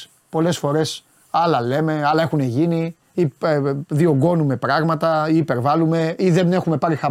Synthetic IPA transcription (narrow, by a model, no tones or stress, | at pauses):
po̞le̞sfo̞ɾe̞s | ɐlɐle̞me̞ɐlɐe̞xune̞ʝini | iðio̞ŋɡo̞nume̞pɾɐɣmɐt̪ɐiːpe̞ɾvɐlume̞iðe̞ne̞xume̞pɐɾixɐ